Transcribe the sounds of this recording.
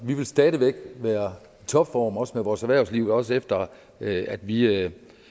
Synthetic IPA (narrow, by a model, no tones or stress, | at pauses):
ʋiʋe̝lsd̥ɛːðˠəʋeɡ̥ʋæːɐ | t͡sʰɒ̽b̥fɒ̰ːmɒ̽smeʋɒːsæʋæɐ̰sliʊð̩ˠɒ̽sefd̥ɐ | æd̥ʋi